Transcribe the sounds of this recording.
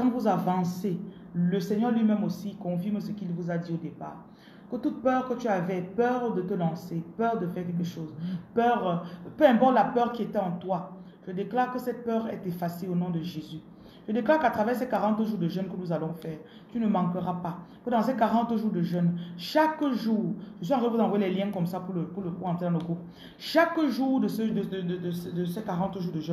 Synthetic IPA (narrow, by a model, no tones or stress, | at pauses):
kɑ̃t̪vuzavɑ̃se | ləsɛɲœʁlɥimɛmosikɔ̃fiʁmsəkilvuzad̪iod̪epa̰ːʁ | kət̪ut̪̚pœʁkət̪yavɛpœʁd̪ət̪əlɑ̃sepœʁd̪əfɛʁkʲɛlkəʃoːzpœʁpøɛ̃pɔʁt̪əlapœʁkʲiet̪ɛɑ̃t̪wa | ʒ̥əd̪eklaʁkəsɛt̪̚pœːʁɛ̰t̪efaseonɔ̃d̪əʒezy | ʒ̥əd̪eklaʁkat̪χavɛːʁsɛkaʁɑ̃t̪ʒuːʁd̪əʒœnkənuzalɔ̃fɛːʁ | t̪ynəmɑ̃kəʁapat̪əd̪ɑ̃sekaʁɑ̃t̪ʒuːʁd̪əʒœnʃakʒuːʁʒəs̬wizɑ̃ʁepvud̪ɑ̃vwjelɛljɛ̃kɔmsapuʁləpuʁləkuʁɑ̃t̪χed̪ɑ̃ləɡʁup | ʃakʒuːʁd̪əsəd̪əd̪əd̪d̪əsɛd̪əsɛkaʁɑ̃t̪ʒuːʁd̪əʒɛn